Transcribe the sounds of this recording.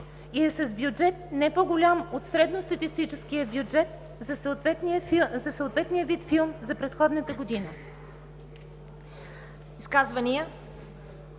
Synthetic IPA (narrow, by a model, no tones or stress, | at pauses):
iɛsɐzbjud͡ʒɛt̪̚nɛpoɡʊlʲamot̪sɾɛd̪nost̪ɐt̪ist̪it͡ʃɛsk̟ijəbjud͡ʒɛt̪̚ | zɐsət̪vɛt̪niəfizɐsəot̪vɛt̪nijəvit̪filˠmzɐpɾɛt̪xɔd̪nət̪əɡod̪inə | iskazvəniə